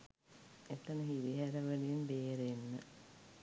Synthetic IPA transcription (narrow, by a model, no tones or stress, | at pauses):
et̪ənəɦiɾiɦæɾəʋənijenbeːɾenːə